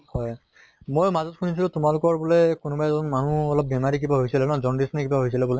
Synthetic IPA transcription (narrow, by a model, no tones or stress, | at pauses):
hɔj | mojmazɔtkʰunis̬iltumalʊkɔɹbulɛkʊnubajzɔɔnmanuɔlɔp̚bɛmaɹikibaɦojsilɛnɔzɔndisnikibaɦojsilɛbolɛ